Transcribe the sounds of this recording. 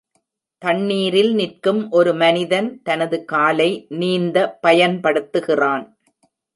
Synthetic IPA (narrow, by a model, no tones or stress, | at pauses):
t̪ɐɳːiːɾɪlnɪrkɯmʔɔɾɯmɐnɪðɐnt̪ɐnɐðɯkaːlɐɪniːnd̪ɐpɐjɐnpɐɽɯt̪ːɯɣɪraːn